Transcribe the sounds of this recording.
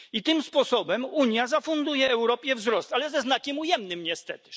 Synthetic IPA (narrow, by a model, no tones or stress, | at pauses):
it̪ɘmspɔsɔbɛmuɲjazafund̪ujɛːwɾɔpʲjɛvzɾɔst̪alɛzɛznakʲɛmujɛmnɘmɲɛst̪ɛt̪ɘ̥